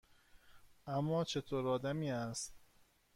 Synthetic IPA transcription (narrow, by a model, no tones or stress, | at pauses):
ʔæmːɒːt͡ʃʰe̞t̪ʰoːɾɒːd̪æmiːæst̪